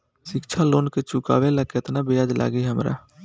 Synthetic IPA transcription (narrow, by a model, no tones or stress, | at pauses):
ʃɪkt͡ʃʰaloːnket͡ʃʊka̰ːʋelaːket̪nabejaːd͡ʒ̪lʔa̰ːɡiɦəmɾa̰ː